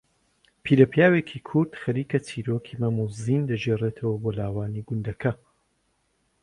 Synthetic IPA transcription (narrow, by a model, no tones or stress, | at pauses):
pʰiːɾɐpʰjaːweːkʰiːkʰʊɾd̪̥xɐɾiːkɐt͡sʰiːɾoːkʰiːmɐmuziːnd̪ɐd͡ʒeret̪ʰɐwɐboːlaːwaːniɡʊnd̪ɐkʰɐ